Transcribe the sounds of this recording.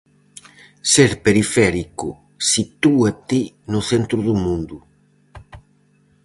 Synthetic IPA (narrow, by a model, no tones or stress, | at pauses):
seɾpeɾifɛɾikʊ | sit̪uat̪i | nʊθɛnt̪ɾʊðumũnd̪u